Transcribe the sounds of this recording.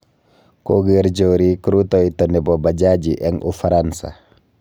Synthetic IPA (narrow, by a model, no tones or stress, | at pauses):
koɡɛɾd͡ʒowɾikɾutɔjtɔnɛbɔbad͡ʒad͡ʒiʔɛŋʔṵfaɾansa̰